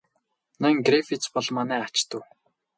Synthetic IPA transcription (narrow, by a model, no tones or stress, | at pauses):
nɔŋɡrefit͡spɔɮmanæːat͡ɕt̪ə̆w